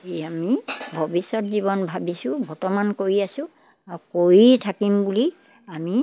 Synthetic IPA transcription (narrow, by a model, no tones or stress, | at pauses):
eamibʱobisɔtzibɔnbʱabisʊ̃bʱɔɹtɔmankoɹiasʊ̃ | aɹukoɹitʰakimbuli | ami